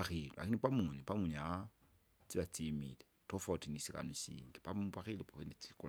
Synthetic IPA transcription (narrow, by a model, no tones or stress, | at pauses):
axilua̰kinipamunipamuɲaa | t͡siβat͡simile | tofotinisika̰nosḭːŋɡepapaxilupaxenit͡si̥kul